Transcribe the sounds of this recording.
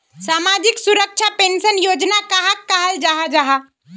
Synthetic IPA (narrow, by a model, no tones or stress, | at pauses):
samad͡ʒiksuɾək̚t͡ʃʰapensənjod͡ʒnakaɦakːaɦəld͡ʒaɦad͡ʒaɦa